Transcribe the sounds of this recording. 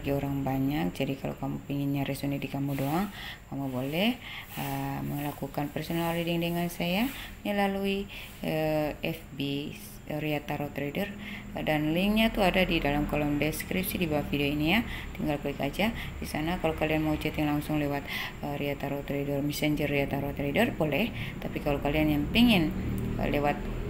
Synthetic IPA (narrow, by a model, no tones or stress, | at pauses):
ɡioɾaŋbaɲak̚d͡ʒadikalo̰kamupiŋɪnɲaɾɛsonidikamudoaŋkamubolɛhəməlakukanpɛrsonalridiŋdəŋansajaɲəlalui | əɛfbi | riat̪aɾot̪ɾedərdanliŋɲat̪uadadidalamkolɔmdɛskɾip̚sidibawahfideoinijat̪iŋɡalkolikad͡ʒa | d̥isanakalowkalianmaut͡ʃat̪jaŋlaŋsʊŋlewat̪̚ | əɾiat̪aɾot̪ɾedərmɛsɛɲd͡ʒərːiat̪aɾot̪ɾedərbolɛht̪apikalowkalianjaŋpiŋɪn̰lewat̪̚